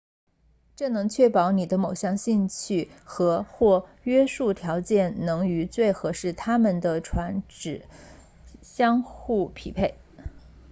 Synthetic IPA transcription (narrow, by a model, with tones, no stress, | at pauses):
ʈ͡ʂɤ˥˩nɤ˧˥ŋt͡ɕʰɥɛ˥pɑ˧˥ʊni˨˩d̪ə˦mo˨˩ʊɕjɑ˥˧ŋɕi˥˧nt͡ɕʰy˥˩xɤ˧˥xwɔ˥˩ | ɥɛ˥ʂu˥˩t̪ʰjɑ˧˥ʊt͡ɕjɛ˥˩nnɤ˧˥ŋy˧˥t͡swe˥˩ɪxɤ˧˥ʂɻ̩˥˩t̪ʰa˥mə˨nd̪ə˩ʈ͡ʂʰwa˧˥nʈ͡ʂɻ̩˨˩ | ɕjɑ˥ŋxu˥˩pʰḭ˨˩pʰe˥˩ɪ